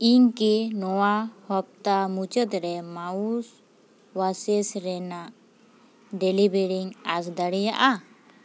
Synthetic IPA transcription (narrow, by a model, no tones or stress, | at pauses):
iɲkinɔwahɔp̚t̪amut͡ʃət̪ɾɛmaus | wasɛsɾɛnaʔ | ɖɛlibeɾiŋasd̪əɽɛjaʔa